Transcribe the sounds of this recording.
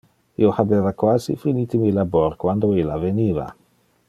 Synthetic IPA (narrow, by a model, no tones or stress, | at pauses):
ḭohabevakwazḭfinit̪imilaboɾkwand̪oilaveniva̰